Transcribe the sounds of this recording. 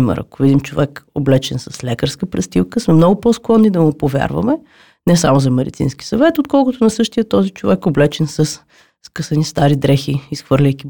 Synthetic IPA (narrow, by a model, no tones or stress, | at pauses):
imɛ̰ɾɐ̰kʊvid̪imt͡ʃovɛkoblɛt͡ʃɛnsɐslʲɛkəɾskəpɾɛst̪ilˠkəsmɛmnɔɡʊpɔsklˠɔnːid̪ɐmʊpovʲja̰ɾvɐ̰mɛ | nɛsamozɐmɛd̪it̪sḭnskʲi̥sɐvɛt̪ot̪̚kɔlˠkʊt̪ʊnɐsɤʃt̪ijət̪ɔzit͡ʃovɛkoblɛt͡ʃɛnsɐs | skɤsənist̪aɾid̪ɾɛxiisxvɤɾlʲəjki